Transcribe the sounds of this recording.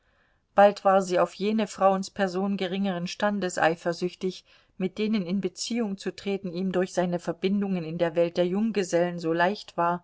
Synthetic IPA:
b̥altv̥aːɐziːaʊfjeːnəfʁ̥aʊənspʰɛɐzoːnɡəʁɪŋəʁənʃtandəsʔa̰ɪfɐzʏçtɪç | mɪt̚d̥eːnənɪnbət͡siːʊŋt͡sutʁ̥eːtn̩iːmdʊɐçz̥aɪnəfɛɐbɪndʊŋənɪndeːɐvɛlt̚d̥eːɐjʊŋɡəzɛlənzoːlaɪçtv̥aːɐ

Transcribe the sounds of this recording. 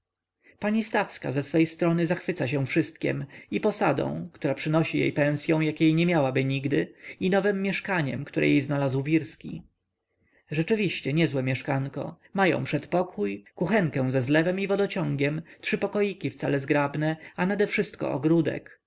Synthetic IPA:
paɲist̪afska̰zɛsfɛjst̪ɾɔnɘzaxfɘt̪saɕ̬ɛ̃w̃fʂɘst̪kʲɛ̰mipɔsad̪ɔ̰̃w̃kt̪uɾapʂɘnɔɕijḛjpɛ̃w̃sʲjɔ̃w̃jakʲejɲɛmʲjawabɘɲiɡd̪ɘinɔvɛmːjɛʂkaɲɛ̰mkt̪uɾɛ̰jejznalazwvʲiɾskʲḭ | ʐɛt͡ʂɘvʲiɕt͡ɕɛɲɛzwɛmʲjɛʂkaŋkɔ̰ | majɔ̰̃w̃pʂɛt̪pɔkʰujkuxɛŋkɛ̃w̃zɛzlɛvɛmivɔd̪ɔt͡ɕɔ̃ŋɡʲɛmtʂɘpɔkɔjikʲift̪salɛzɡɾabnɛanad̪ɛfʂɘst̪kɔ̰ʔɔ̰ɡɾud̪ɛ̰k

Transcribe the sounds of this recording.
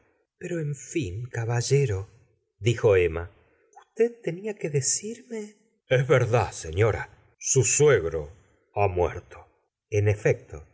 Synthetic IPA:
peɾo̞eɱfiŋkaβaʒeɾo | ðixo̞ema | ust̪eð̚t̪eniakeðesiɾme | ezβeɾðaseɲo̞ɾa̰ | susweɣɾo̰ | amwḛɾt̪ʰo | enefek̚t̪ʰo̰

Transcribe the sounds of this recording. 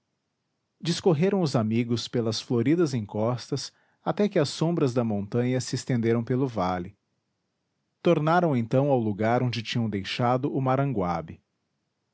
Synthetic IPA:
d͡ʒiskoɦeɾɐ̃w̃ʊzamiɡʊspelɐsfloɾid̪ɐzẽkɔst̪ɐs | at̪ɛkɪɐsːõbɾɐzd̪ɐmõnt̪ɐ̃ɲɐsɪːst̪ẽnd̪eɾɐ̃w̃pelʊvalɪ | t̪oɾnaɾɐ̃w̃ẽnt̪ɐ̃w̃awluɡaɾõd͡ʒɪt͡ʃĩɲɐ̃w̃d̪ejʃad̪ʊʔʊmaɾɐ̃ŋɡwa̰bɪ

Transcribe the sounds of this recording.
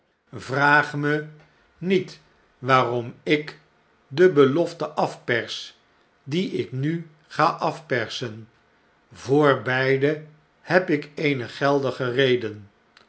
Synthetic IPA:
vraːχmə | nit | ʋaːrɔmɪk | dəbəlɔftəʔɑfpɛɹs | diɪkny | χaːʔɑfpɛɹsən | vʊːɹbɛjdə | hɛpɪkejnəχɛlˠdəχərejdən

